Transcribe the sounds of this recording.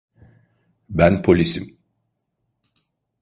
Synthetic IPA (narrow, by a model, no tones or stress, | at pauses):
bænpʰo̞lʲisim